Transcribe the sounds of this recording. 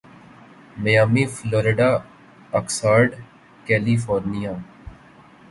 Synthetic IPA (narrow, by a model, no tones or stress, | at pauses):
məjaːmiːfloːɾeːɖaː | əksaːɾɖ | kɛːliːfoːɾnijaː